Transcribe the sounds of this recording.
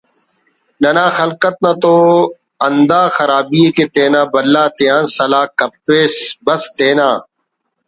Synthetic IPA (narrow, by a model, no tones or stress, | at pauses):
nɐnãːxəlkət̪̚nat̪oː | ɐnd̪aːxɐɾaːbiːekeːt̪eːnãːbəlːaːt̪ɪjãːnsɐlaːkɐpːeːsbəst̪eːnaː